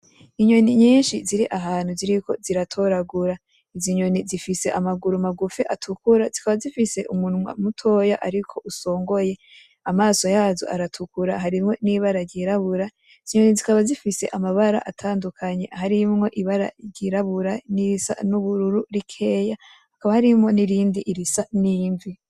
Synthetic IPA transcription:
iɲo̞niɲiːnʃiziɾiʔaɦaːn̥huziɾikʰo̞ziɾatʰo̞ɾaɡuɾa | iziɲo̞nizifise̞ʔamaɡuɾumaɡufiʔatʰukuɾazikaβazifise̞ʔumunmwa̰mutʰo̞ːjaʔaɾikʰo̞ʔuso̞ːŋɡo̞je̞ | amaːso̞jaːzo̰ʔa̰ɾatʰukuɾaɦaɾimŋo̞niβaɾaɾɟiɾaβuɾa | iziɲo̞nizikaβazifise̞ʔamaβaɾa̰ʔatʰaːndukʰaɲe̞haɾimŋo̞ʔiβaɾa̰ɾɟiɾaβuɾaniɾisa̰nuβuɾuɾuɾikʰe̞ːja | hakaβahaɾimŋo̞niɾiːndiʔːɾisaniːɱvi

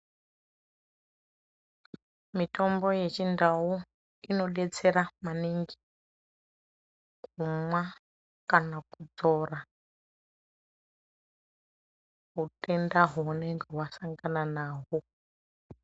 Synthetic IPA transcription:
mito̞mbo̞jet͡ʃindawu | ino̞ɗet͡se̞ɾamaniŋɡi | kumwa | kanakud͡zo̞ːra | ɦute̞ndaɦuneŋɡewasaŋɡananaːɦo

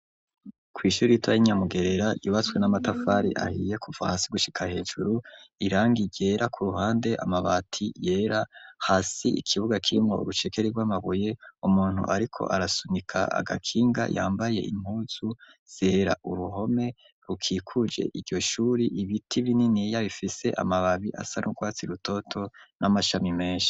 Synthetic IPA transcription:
kwiːʃuːɾiitwajiɲamuɡe̞ɾe̞ɾauːβat͡swe̞namatafaɾḭʔa̰hije̞kuvahasiɡuʃi̥kʰahe̞ːd͡ʒuɾuiɾaːŋɡiɟe̞ːɾʔakʰuɾuɦaːnde̞ʔa̰maβatʰije̞ːɾahasiḭkʰiβuɡakʰiimŋo̞̰ʔṵɾut͡ʃe̞ke̞ɾiɡwaːmaβoje̞umuːn̥hṵʔaɾikʰo̞̰ʔaɾasunikʰa̰a̰ɡa̰kʰiːŋɡa̰ja̰ːmbaje̞̰ʔḭm̥huːz̥u | z̥e̞ːɾa̰ʔuɾuɦo̞me̞ | ɾukʰiːkʰud͡ʒe̞̰ʔiɟɟo̞ʃuːɾiʔiβitʰiβininijaβifise̞̰ʔa̰maβaβiʔa̰sanʔṵɡwaːt͡siɾuto̞tʰo̞nʔamaʃamime̞ːnʃi̥

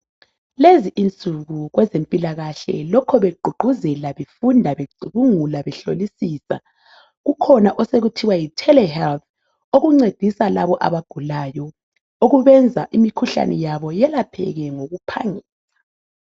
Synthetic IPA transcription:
leziʔint͡sʼuɣuɣwɛzempʼilaɣaɬɛ̰lɔkʰɔβeɡ͡ǃʱuɡ͡ǃʱuzɛlaβefundʱaβeǀʱuβuŋulaβɛɬo̰lisisa̰ | ɣukʰɔnaʔɔseɣutʰiwajitʰɛlɛhɛlt̪ | oɣuŋ͡ǀed̥ʱisalaβɔʔa̰βaɡ̥ʱulajɔ | oɣuβɛnd͡zʱa̰ʔimikʰuɬa̰nɛjaβɔjɛlapʰɛ̰ɣɛŋoɣupʰa̰ŋiːla

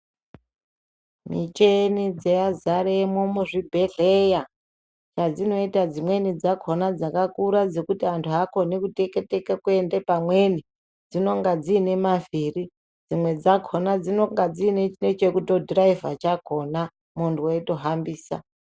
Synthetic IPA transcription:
mḭt͡ʃenid͡zeazaɾeemomuʐibʱe̞ɮeja | t͡ʃad͡zino̞itad͡zimwe̞nid͡zakʰo̞nad͡zakakuɾad͡ze̞kutiantʰuɦako̞nikute̞ke̞te̞kekue̞nde̞pamwe̞ni | d͡zino̞ŋɡad͡ziːne̞maviri | d͡zimwe̞d͡zakʰo̞nad͡zino̞ŋɡad͡zine̞t͡ʃine̞t͡ʃe̞kuto̞draivat͡ʃakʰo̞na | munduweto̞ɦambiːsa̰

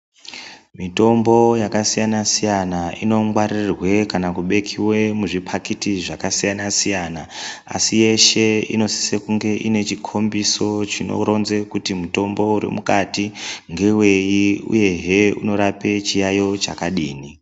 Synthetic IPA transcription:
mito̞mbo̞jakasijanasijanaino̞ŋwaririrwe̞kanakuɓe̞kʰiwe̞muʐipʰakitiʐakasijanasijanaa̰sije̞ʃe̞ḭno̞si̥sekuŋɡe̞ʔine̞t͡ʃikʰo̞mbiso̞t͡ʃino̰ɾo̞nze̞kutimuto̞mbo̞uɾḛmukatiŋɡe̞we̞jiṵje̞ɦeṵno̞ɾape̞t͡ʃijajo̞t͡ʃakaɗiːni

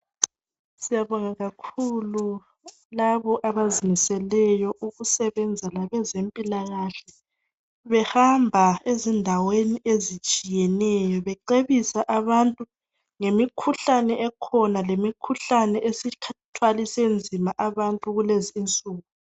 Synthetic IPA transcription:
sijaβɔŋaɣakʰulu | laβɔʔaβazinisɛlɛjɔʔuɣusɛβɛnd͡zʱalaβɛzempʼilaɣaɬɛ | βɛhambʱaezindʱaweniʔezit͡ʃʼijɛnɛjɔβɛǃeβisaʔaβantʼu | ŋemikʰuɬanɛʔɛkʰɔnalemikʰuɬanɛʔesikʰatʰwalisend͡zʱimaʔaβantʼuɣuleziːnt͡sʼuːɣu

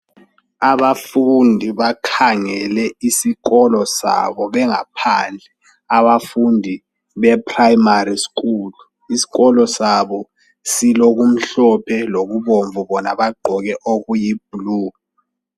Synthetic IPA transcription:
aβafundʱiβakʰaŋɛlɛisiɣɔlɔsa̰βɔβɛŋa̰pʰand͡ɮʱɛ | aβafundʱi | βɛpʰrajimarisk̬uːlu | isi̥ɣɔlɔsaβɔ | siloɣum̩ɬɔpʰɛloɣuβoɱvuβɔna̰βaɡ͡ǃʱɔɣɛʔoɣujib̥̚uluː

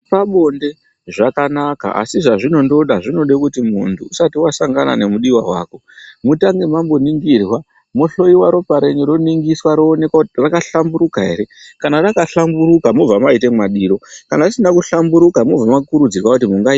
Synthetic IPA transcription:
paɓo̞nde̞ | ʐakanaka̰a̰siʐaʐino̞ndo̞ɗaʐino̞ɗekutimuntʰuːsatiwasaŋɡana̰ne̞muɗiwaɦwa̰ːko̞ | mutaŋɡemambo̞niŋɡirwa | mo̞ɬo̞iwaɾo̞paɾe̞ɲiɾo̞niŋɡiswaɾoːne̞kwatrakaɬambuɾukaɦe̞̰ɾe̞kanarakaɬambuɾukamo̞b͡vamaite̞mwaɗiːɾo̞kanarisinakuɬambuɾukamob͡vamakuɾud͡zirwakut̬imuŋɡa

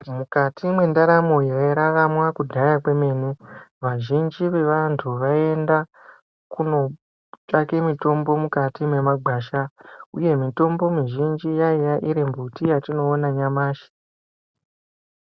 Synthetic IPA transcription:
mukatʰimwe̞ndaɾamo̞jaeɾaʋamwakudʱajakwe̞me̞ːnuʋaʒind͡ʒiʋe̞ʋantʰuʋae̞nda | kuno̞ | t͡ʃakemito̞mbo̞mukatimwe̞maɡʱaːʃauje̞mito̞mbo̞miʒind͡ʒijaijaʔiɾembutijatino̞ːnaɲamaːʃi̥

